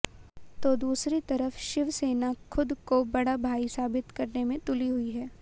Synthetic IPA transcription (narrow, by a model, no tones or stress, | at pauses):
t̪od̪uːsɾit̪ɐɾəfʃɪʋseːnaxʰʊd̪kobɐɽabʱaːisaːbɪt̪kɐɾnemẽt̪ʊliɦʊiɦɛː